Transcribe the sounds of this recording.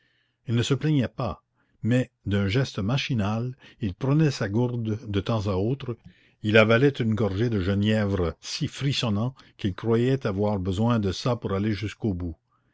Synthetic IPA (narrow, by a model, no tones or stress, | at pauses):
ilnəsəplɛɲɛpa | mɛ | d̪ɛ̃ʒɛst̪əmaʃinalilpɾənɛsaɡuʁd̪ːət̪ɑ̃zaoːt̪ɾə | ilavalɛt̪ynɡɔʁʒed̪əʒənjɛvɾəsifɾisɔnɑ̃kilkrwajɛt̪avwaːʁbəzwɛ̃d̪əsapuɾaleʒyskoːbu